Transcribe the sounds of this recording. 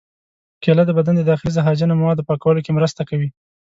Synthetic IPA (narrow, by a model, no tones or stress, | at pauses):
kelad̪əbad̪and̪əd̪ɑxɪlizaɦɑd͡ʒanamawɑd̪opɑkawəlokemɾəst̪akawi